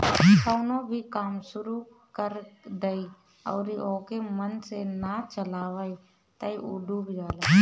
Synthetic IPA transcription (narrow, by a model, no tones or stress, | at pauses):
kəːnõbʱikaːmsʊɾu | kəɾd̪əi | ɔ̰ːɾioːkemənsenat͡ʃəlaːʋai | t̪əiuɖubʱid͡ʒaːla